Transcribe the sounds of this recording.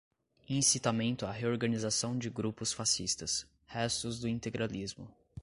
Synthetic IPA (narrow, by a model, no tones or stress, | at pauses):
ĩsit̪amẽnt̪ʊaɦeoɾɡɐ̃nizasɐ̃w̃d͡ʒɪɡɾupʊsfasist̪ɐs | hɛst̪ʊzd̪ʊĩnt̪eɡɾalizmʊ